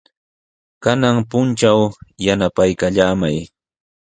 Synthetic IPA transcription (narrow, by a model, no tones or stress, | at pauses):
kanaŋpʊnt͡ʃawjanapajkaʎaːmaj